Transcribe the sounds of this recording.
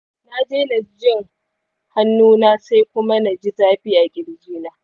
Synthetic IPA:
na˦d͡ʒeː˦na˨d͡ʒɪ˦˨ŋ | ha˦nːuː˦naː˦sa˦jkʷʊ˦ma˦na˨d͡ʒi˦zaː˦ɸiː˦ʔa˨ɡʲɪ˨ɽd͡ʒiː˦naː˦

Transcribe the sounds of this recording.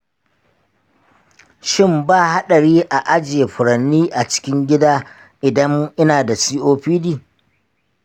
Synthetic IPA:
ʃɪ˦˨mbaː˦˨ha˦ɗɐ˨ɽiː˦ʔa˨ʔa˦d͡ʒe˨ɸʊ˨ɾɐ˨nːiː˦ʔa˨t͡ʃɪ̥˦kʲɪ˦ŋɡʲɪ˦daː˦ | ʔɪ˨dɐ˦mʔɪ˦naː˨da˨siː˦ʔoː˦ɸiː˦diː˨

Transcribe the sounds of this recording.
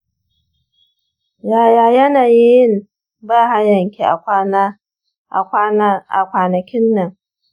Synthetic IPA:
jaː˨jaː˨jɐ˦naː˨ji˦jɪ˦˨m | baː˦˨ha˦jɐ˨ŋkʲe˨ʔa˨˦˨ | a̰˨kʷaː˨nɐ˨kʲɪ˦nːɐ˨ŋ

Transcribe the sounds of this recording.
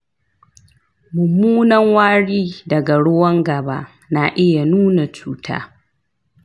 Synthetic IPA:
mʊ˨muː˦nɐ˦ŋwaː˦ɽiː˦dɐ˨ɡa˨ɽʊ˦wɐ˦ŋɡɐ˨baː˦ | naː˨ʔɪ˦ja˨nuː˦na˨t͡ʃuː˦tʰa̰ː˦

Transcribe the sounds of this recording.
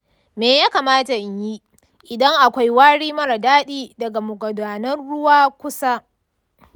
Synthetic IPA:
meː˨jaː˦kaː˨maː˦ta˨ʔɪ˨ɲji˦ | ʔɪ˨dɐ˦ŋʔa˨kʷa˦jwaː˦ɽiː˦mɐ˦ɾa˨daː˦ɗiː˦dɐ˨ɡa˨mʊ˨ɡʷɐ˨daː˨nɐ˦nɽʊ˦waː˦kʷʊ˦sa˦

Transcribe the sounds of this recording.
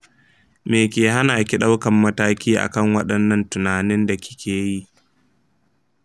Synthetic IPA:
meː˨kʲeː˨ɦa˦naː˨kʲi˦ɗa˦wkɐ˨mːɐ˦taː˦kʲiː˦ʔa̰˨kɐ˦˨ŋwɐ˦ɗɐ˨nːɐ˦ntʊ˨naː˨nɪ˦nda˨kʲɪ̥˦kʲʰeː˨ji˦ʔ

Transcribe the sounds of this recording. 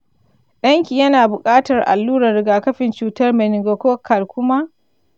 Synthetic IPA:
ɗɐ˦ŋkʲiː˨jɐ˦naː˨bʊ˨kʼaː˦tɐ˨rʔa̰˨lːuː˦ɾɐ˨ɾɪ˨ɡaː˨kɐ˦ɸɪ˨nt͡ʃuː˨tɐ˦rmɛ˨nɪ˨ŋɡo˨kʷoː˦kʰa˨lkʷʊ˦ma˦ʔ

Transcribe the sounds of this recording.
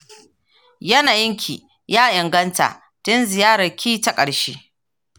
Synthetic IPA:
jɐ˦naː˨jɪ˦ŋkʲʰḭː˨ | jaː˦ʔɪ˨ŋɡɐ˦nta̰˨ | tʊ˦nzɪ˨jaː˦ɾɐ˨kʲiː˦ta˦˨kʼɐ˨ɽʃeː˦

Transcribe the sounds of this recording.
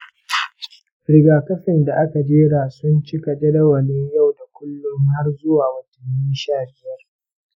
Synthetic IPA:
ɽɪ˨ɡaː˨kɐ˦ɸɪ˨nda˨ʔa˦ka˨d͡ʒeː˦ɽaː˨sʊ˦nt͡ʃɪ˦ka˨d͡ʒɐ˦dɐ˦wɐ˨ne˦ja˦˨wda˨kʷʊ˦lːʊ˦ŋha˦rzʊ˦waː˨wɐ˨tɐ˨nːɪ˦nʃaː˦˨bɪ˦jɐ˦r

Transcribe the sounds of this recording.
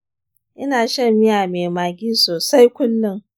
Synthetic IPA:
ʔɪ˦naː˨ʃɐ˦mːɪ˦jaː˨meː˨maː˨ɡʲiː˦soː˨sa˦jkʷʊ˦nːɪ˦ŋ

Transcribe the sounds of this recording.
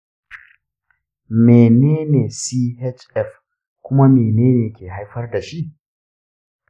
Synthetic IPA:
meː˨neː˦neː˨siː˦he˦t͡ʃɛ˦˨f | kʷʊ˦ma˦meː˨neː˦neː˨kʲeː˨ɦa˦jɸɐ˦rda˨ʃi˦ʔ

